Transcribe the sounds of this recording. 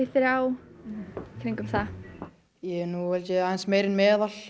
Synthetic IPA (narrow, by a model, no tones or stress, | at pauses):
ɪθɪɾaw | kʰɾɪŋkʏmθa | jɛnuvɛlcɪajnsmeːjɾɪnmɛːðal̥